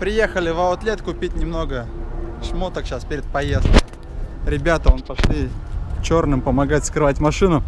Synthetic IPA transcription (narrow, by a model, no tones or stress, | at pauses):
pɾʲɪje̞xəlʲɪvɐʊt̪lʲet̪kʊpʲitʲnʲɪmno̞ɡəʂmot̪əkɕaspʲeɾʲɪt̪̚pɐjest̪kəj | ɾʲɪbʲat̪əonpɐʂlʲit͡ɕo̞rnɨmpəmɐɡatʲskɾɨvatʲmɐʂɨnʊ